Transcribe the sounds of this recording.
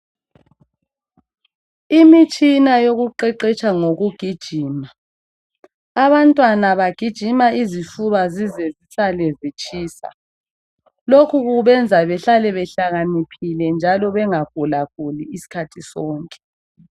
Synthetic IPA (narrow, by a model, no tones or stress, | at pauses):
imit͡ʃʼinajoɣuǃɛǃɛt͡ʃʼaŋoɣuɡ̥ʱid̥ʒ̥ʱiːma | aβantʼwanaβaɡ̥ʱid̥ʒ̥ʱimaiziʃuβazizɛzisalɛzit͡ʃʼiːsa̰ | lokʰuɣuβɛnd͡zʱaβɛɬalɛβɛɬaɣanipʰilɛnd͡ʒʱalɔβɛŋaɡ̥ʱulaɣuliisi̥kʰatʰisɔːŋkʼɛ̥